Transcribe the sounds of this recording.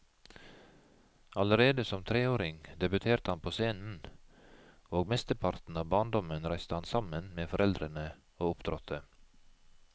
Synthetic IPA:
ɑləɾeːd̪əsɔmt̪ʰɾeːoːɾɪŋd̪ɛbʉt̪ʰeːɾt̪əhɑnpʰoːseːnn̩ | oːɡmɛst̪əɾpʰɑɾt̪n̩ɑːʋbɑːɳd̪ɔmənɾæɪst̪əhɑnsɑmənmeːfɔɾʔɛld̪ɾənə | oːʊpd̪̥ɾɔt̪ʰə

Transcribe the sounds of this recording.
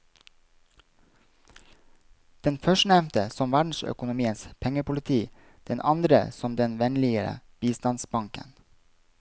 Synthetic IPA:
d̪̥ɛnfœʃnɛmt̪əsɔmʋæɖɳ̩sœ̰kʊnʊmiːənspʰɛŋəpʊlɪt̪ʰiː | d̪̥ɛnʔɑnd̪ɾə̰sɔmd̪ɛnʋɛnlɪəɾə̰b̥iːst̪ɑnsbɑŋkə̰n

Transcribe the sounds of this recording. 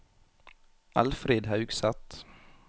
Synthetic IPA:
ʔalfɾeːd̪ɦɑʉɡsat̪

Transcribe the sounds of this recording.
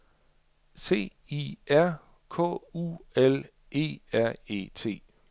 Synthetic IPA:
se̝̰ː | iæɐ̰ | kʰɔ̰̽ːṵːel | e̝̰ːæɐ̰e̝̰ːt͡sʰe̝̰ː

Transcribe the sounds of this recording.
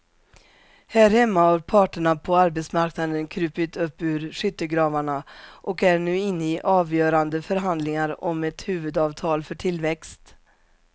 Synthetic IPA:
hæːɾhɛmːahaɾpʰɑːʈəɳapʰɔaɾbɛt̪smaɾknad̪ənkʰɾʉ̟ːpɪt̪ɵpːʉ̟ːɾʂʏt̪ːəɡɾɑːvaɳaʔɔkæɾɳʉ̟ːɪnːəɪʔɑːvjœːɾand̪əfœɾɦand̪lɪŋaɾɔmɛt̪hʉ̟ːvɵd̪ɑːvt̪ʰɑːlfœʈʰɪlvɛkst̪

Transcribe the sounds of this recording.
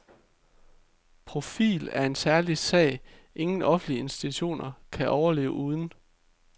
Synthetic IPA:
pʰʁo̝fḭːlæɐe̝nsæɐlisɛ̰ɪ | ʔe̝ŋn̩ʔɒ̽fn̩l̥iəe̝nsd̥it͡sʰuɕo̝̰ːnɐkʰæʔɒʊɐle̝̰ːʊəʔuːð̞ˠn̩

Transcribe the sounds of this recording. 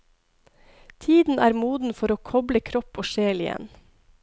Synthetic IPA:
t̪ʰiːd̪n̩ʔæːɾmuːd̪n̩fɔɾoːkʰɔbləkʰɾɔpoːʃeːlɪjɛ̰n

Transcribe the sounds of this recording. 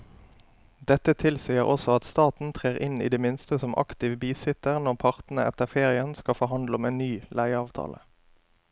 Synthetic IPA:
d̪ɛt̪ət̪ʰɪlsiːəʁʔɔsɔɑt̪st̪ɑːt̪n̩t̪ʰʁeːʁʔɪnḭːd̪eːmɪnst̪əsɔmʔɑ̰kt̪ɪʋbiːsɪt̪əʁnɔʁpʰɑʁt̪n̩ə̰ʔɛ̰t̪əʁfeːʁɪənskɑfɔʁɦɑnd̪lɔmeːnyːlæɪɑːʋt̪ʰɑ̰ːlʔə̰

